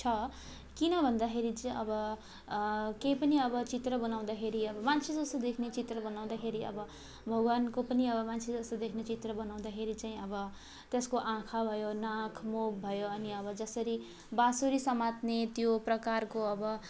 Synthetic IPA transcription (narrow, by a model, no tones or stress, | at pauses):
t͡sʰʌ | kinʌbʱʌnd̪akʰeɾit͡sʌbʌ | kejpʌniʌbʌt͡sit̪rʌbʌnaw̃d̪akʰeɾiʌbʌmant͡sʰed͡zʌst̪od̪ekʰnet͡sit̪rʌbʌnaw̃d̪akʰeɾiʌ̰bʌ | bʱʌɡwankopʌniʌbʌmant͡sʰed͡zʌst̪od̪ekʰnet͡sit̪rʌbʌnaw̃d̪akʰeɾit͡saĩʌbʌ | t̪eskoʔãkʰabʱʌjonãkʰmob̚bʱʌjoʌniʌbʌd͡zʌsʌɾi | basoɾisʌmat̪net̪joprʌkarkoʌbʌ